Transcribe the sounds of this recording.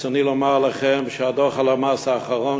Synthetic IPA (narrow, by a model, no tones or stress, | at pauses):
sanilɔmaʁlaχɛmʃəad̪ɔʁχalamaːsaːχaʁɔn